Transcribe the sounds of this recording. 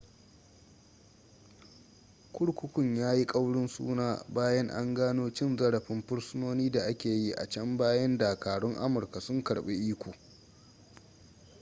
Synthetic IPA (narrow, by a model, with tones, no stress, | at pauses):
kʷʊ˦ɽkʷʊ˦kʷʊ˦˨ɲjaː˦ji˦kʼa˦wɽʊ˦nsṵː˦naː˦baː˦jɐ˦ŋʔa̰˦ŋɡaː˦noː˦t͡ʃɪ˦nzɐ˦ɽɐ˨ɸɪ˦mɸʊ˦ɽsʊ˦noː˦niː˦da˨ʔa˦kʲeː˨ji˦ʔa̰˨t͡ʃɐ˦mbaː˦jɐ˦ndaː˨kaː˨ɽʊ˦ŋʔa˦mʊ˨rka˨sʊ˦ŋkɐ˨ɽɓe˦ʔiː˦kʷoː˨